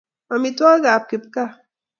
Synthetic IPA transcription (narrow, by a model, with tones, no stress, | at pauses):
ma˨mi˨twa˦ɡa˨p̚ki˨p̚ka˦